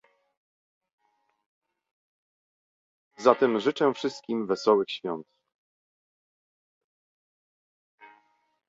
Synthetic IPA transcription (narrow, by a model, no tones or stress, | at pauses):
zat̪ɛmʐɘt͡ʂɛfʂɘst̪̚kʲimvɛsɔwɘxɕfʲjɔnt̪